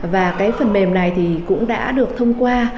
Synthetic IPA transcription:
vaː˨˩kaː˨˦jfə˨˩nɗe˨˩mna˨˩jt̪ʰi˨˩kʊ̰˧˥ŋ͡mɗa̰ː˧˥ɗɨ˨˩ək̚t̪ʰə˧wŋ͡mkwaː˧

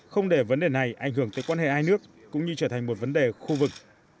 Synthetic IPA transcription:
xə˧wŋ͡mɗe˧˩və˨˦nɗe˨˩na˨˩jʔa˧˩jŋ̟ɦɨ˧˩əŋt̪əː˨˦jkwaː˧nɦḛ˧˨haː˧jnɨ˦˥əkːʊ̰˧˥ŋ͡mɲɨ˧t͡ɕəː˧˩t̪ʰa˨˩ŋ̟mo˨˩t̚və˨˦nɗe˨˩xu˧vɨ˨˩k̚

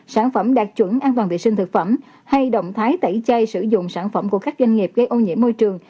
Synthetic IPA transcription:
saː˧˩nfə˧˩mɗaː˨˩k̚t͡ɕwə˧˩nʔaː˧nt̪waː˨˩vḭ˨sï˧ŋ̟t̪ʰk̚fə˧˩m | ha˧jɗə̰˧˨wŋ͡mt̪ʰaː˨˦jt̪ə˧˩jt͡ɕə˧jsɨ̰˧˩zʊ̰˧˨ŋ͡msaː˧˩nfə˧˩mku˧˩əkaː˦˥k̚zwa˧ŋ̟ŋi˨˩p̚ɣə˧jʔo˧ɲḭ˧˥mːo˧jt͡ɕɨ˨˩əŋ

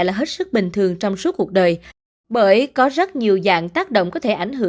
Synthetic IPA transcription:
jlaː˨˩ɦe˦˥t̚sɨ˦˥k̚ɓï˨˩ŋ̟t̪ʰɨ˨˩əŋt͡ɕɔ˧wŋ͡msu˦˥k̚u˨˩ək̚ɗəː˨˩j | ɓəː˧˩jkɔ˨˦zə˦˥t̚ɲi˨˩əwza̰ː˧˨ŋt̪aː˦˥k̚ɗo̰˧˨wŋ͡mkɔ˨˦t̪ʰe˧˩ʔa˧˩jŋ̟ɦɨ˧˩

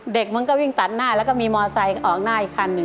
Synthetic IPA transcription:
de˨˩k̚ma˧nkɔː˥˩wi˥˩ŋt̪a˨˩t̪̚naː˥˩lɛː˦˥wkɔ˥˩miː˧mɔː˧sa˧jʔɔː˨˩k̚naː˥˩ʔi˨˩kʰːa˧nːɯ˨˩

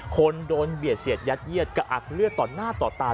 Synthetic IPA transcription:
kʰo˧ndoː˧nbi˨˩ət̪̚si˨˩ət̪̚ja˦˥t̪̚ji˥˩ət̪̚ka˧˩ʔa̰˨˩k̚lɯ˥˩ət̪ɔː˨˩nːaː˥˩t̪ɔː˨˩t̪aː˧

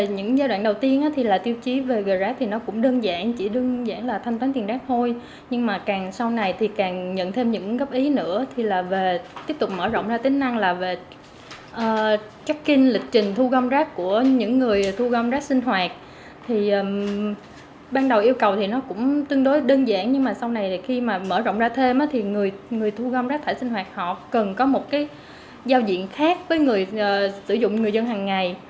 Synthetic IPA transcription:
ve˨˩ɲɨ̰˧˥ŋzaː˧jɗwaː˧˨nɗə˨˩wt̪i˧ənʔaː˨˦t̪ʰi˨˩laː˨˩t̪i˧əwt͡ɕi˨˦ve˨˩ɣəː˨˩jzaː˨˦˥t̪ʰi˨˩nɔ˨˦kʊ̰˧˥ŋ͡mɗəː˧nza̰ː˧˩ŋt͡ɕi˧˩ɗɨ˧ŋza̰ː˧˩ŋlaː˨˩t̪ʰa˧ŋt̪waː˨˦nt̪i˨˩nzaː˦˥k̚t̪ʰo˧j | ɲɨ˧ŋmaː˨˩kaː˨˩ŋsa˧wna˨˩jt̪ʰi˨˩kaː˨˩ŋɲə̰˧˨nt̪ʰe˧mɲɨ̰˧˥ŋɣə˦˥p̚ʔi˨˦nɨ̰˧˥ət̪ʰi˨˩laː˨˩ve˨˩t̪i˦˥əp̚t̪ʊ˨˩k͡p̚məː˧˩zo̰˧˨wŋ͡mzaː˧t̪ï˨˦ŋ̟na˧ŋlaː˨˩ve˨˩ | ʔəː˨˩ | t͡ɕa˦˥k̚kï˧nlï˨˩k̟̚t͡ɕï˨˩ŋ̟t̪ʰu˧ɣə˧wŋ͡mzaː˦˥k̚ku˧˩əɲɨ̰˧˥ŋːɨ˨˩əjt̪ʰu˧ɣɔ˧wŋ͡mzaː˦˥k̚sï˧ŋ̟ɦwaː˨˩t̚ | t̪ʰi˨˩ʔː | ɓaː˧nɗə˨˩wʔi˧əwkə˨˩wt̪ʰi˨˩nɔ˨˦kʊ̰˧˥ŋ͡mt̪wi˧ənɗo˨˦jɗəː˧nza̰ː˧˩ŋɲɨ˧ŋmaː˨˩sa˧wna˨˩jxi˧maː˨˩məː˧˩zo̰˧˨ŋ͡mzaː˧t̪ʰe˧mʔaː˨˦t̪ʰi˨˩ŋɨ˨˩əjŋɨ˨˩əjt̪ʰu˧ɣa˧wŋ͡mzaː˦˥t̪ʰːjsi˧ŋ̟ɦwaː˨˩t̚hɔ̰˧˨kə˨˩nkɔ˨˦mo˨˩t̚kaː˨˦j | zaː˧wzḭ˧˨ənxaː˦˥k̚vəː˨˦jŋɨ˨˩əjʔəː˨˩sɨ̰˧˩zʊ̰˧˨ŋ͡mŋɨ˨˩əjzə˧nɦaː˨˩ŋːa˨˩j

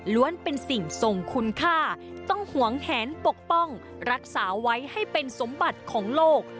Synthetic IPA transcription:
lu˦˥ənpe˧nsi˨˩ŋso˨˩ŋkʰu˧nkʰaː˥˩t̪ɔ˥˩ŋhu˨˩˦əŋhɛː˩˦npo˨˩k̚pɔ˥˩ŋ | ɾa˦˥k̚saː˩˦wa˦˥jha˥˩jpe˧nso˩˦mba˨˩t̪̚kʰɔː˩˦ŋloː˥˩k̚

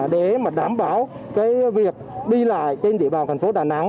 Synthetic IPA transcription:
ɗe˨˩˦maː˨˩ɗaː˨˦mɓaː˧˩w | kaː˨˦jvi˨˩ək̚ɗi˧la̰ː˧˨jt͡ɕe˧nɗḭ˧əɓaː˨˩nt̪ʰŋfo˨˦ɗaː˨˩na̰˧˥ŋ

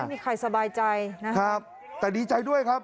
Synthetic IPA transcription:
jmiː˧kʰa˧jsa˧baː˧jt͡ɕa˧jna˦˥kʰa˦˥p̚ | t̪ɛː˨˩diː˧t͡ɕa˧jdu˥˩əjkʰa˦˥p̚

